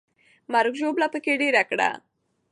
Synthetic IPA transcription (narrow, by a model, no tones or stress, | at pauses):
maɾʊɡʒoblapəkeɖeɾakɽa̰